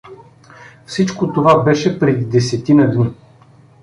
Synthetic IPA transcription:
fsit͡ʃkot̪ovabɛʃɛpɾɛd̪id̪ɛsɛt̪inəd̪ni

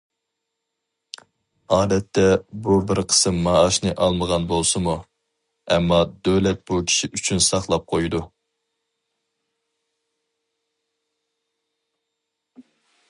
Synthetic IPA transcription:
ɑːd̪ɛt̪ʰːɛbubɪɾqʰə̥sɨmːɑːʃnɨʔɑlˠməʁɑnbolˠsɨmu | ɛmːɑd̪ølɛt̪̚b̥ukʲʰi̥ʃiʔyt͡ʃʰynsɑχlˠɑp̚qʰojd̪u

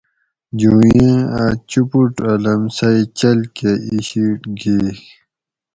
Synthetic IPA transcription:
d͡ʑujĩat͡ɕupuʈɐlɐmsɐjt͡ɕɐlkeiɕiʈɡi

